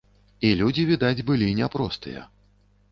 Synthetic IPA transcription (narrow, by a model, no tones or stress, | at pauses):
ilʲud͡zʲivʲid̪ad͡zʲbɨlʲinʲɛpɾɔst̪ɨ̰jɛ̰